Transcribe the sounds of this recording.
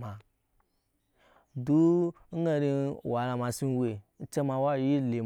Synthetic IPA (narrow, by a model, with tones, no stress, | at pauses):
ma˨ | du˦ | ŋ̩˦ɡa˧ɾi˧˨wa˨la˧ma˧si˧n˦˧we˨n̩˦t͡ʃe˦mã˧wa˦˨ji˦le˨